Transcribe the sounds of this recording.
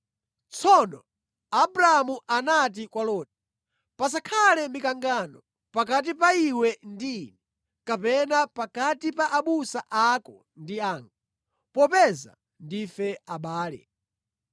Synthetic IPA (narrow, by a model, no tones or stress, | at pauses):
t͡sʰɔnɔ | abɾaamuʔanat̬ikwalɔːt̚i̥ | pas̬akʰalɛmikaŋɡanɔ | pak̬at̬ipaiwɛndini | kapɛnapakatipaʔaɓusaʔakɔ | ndiaːŋɡa | pɔpɛza̰ | ndifɛaɓaːlɛ̰